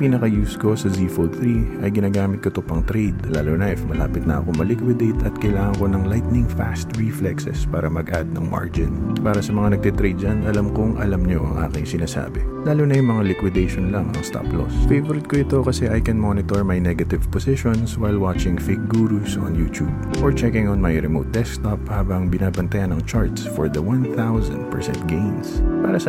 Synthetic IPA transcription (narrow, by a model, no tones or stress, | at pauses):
piːnɐkɐjuːsko̞sɐzifolθɾiʔɐjɡɪnaːɡaːmɪt̪kɐt̪opɐŋt̪ɾejd̪laːlonɐʔɪfmɐla̰ːpɪt̪nɐ̰ʔɐ̰komɐlɪkwɪd̪ejt̪ɐt̪̚kɐjlaːŋɐŋko̞nɐŋlajt̪̚nɪŋfa̰st̪ɹiflɛksɛ̰spaːɾɐmɐɡʔad̪̚nɐ̰ŋma̰ɹd͡ʒɪnpaːɾɐsɐmɐŋanɐɡ̚t̪ɛt̪ɾejd̪̚d͡ʒɐnʔɐlamkoŋʔɐ̰lɐmɲo̞̰ʔɐ̰ŋʔa̰ːkɪŋsɪnaːsa̰ːbɛlaːlonɐjʊŋmɐŋalɪkwɪd̪ejʃonlɐŋʔɐ̰ŋst̪a̰plo̰sfejvoɾɪd̪̚koʔɪt̪o̞kɐsɛʔɐjkɛnmonɪt̪oɹmɐjnɛɡɐt̪ɪvposɪʃonswajlwat͡ʃɪŋfɪk̚ɡuːɾusʔo̰njṵːt̪jub̚ | ʔoɹt͡ʃɛkɪŋonmɐjɾɛmo̰wt̪̚d̪ɛskt̪ɔp̚haːbɐŋbɪnaːbɐnt̪ɐjanːɐŋt͡ʃaɹt̪sfɔɹd̪ɐwãnθawzɐ̰nd̪̚pɛɹsɛ̰̃nt̪̚ɡejnspa̰ːɾɐsɐ